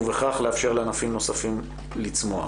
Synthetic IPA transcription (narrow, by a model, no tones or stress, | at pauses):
veχaχleafʃe̞ʁleanafimno̞safim | lit͡smoa̰